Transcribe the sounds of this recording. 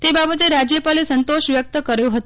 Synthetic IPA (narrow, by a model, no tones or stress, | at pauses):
t̪ebabət̪eɾad͡ʒjəpalesənt̪oʃʋjək̚t̪əkəɾjoɦət̪o